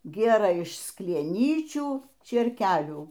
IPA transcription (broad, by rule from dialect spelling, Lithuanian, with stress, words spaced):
ˈɡʲeːrɘ ɪʃ sklʲiɛˈnʲiːt͡ʃʲuː t͡ʃʲeːrʲˈkʲæːlʲuː